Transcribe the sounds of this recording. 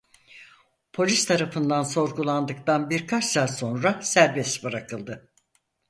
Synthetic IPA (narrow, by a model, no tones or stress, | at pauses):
pʰo̞lʲist̪ʰaɾafɯnd̪anso̞ɾɡulˠand̪ɯk̚t̪anbiɾkʰat͡ʃsaːso̞nɾasæɾbɛsbɯɾakʰɯlˠd̪ɯ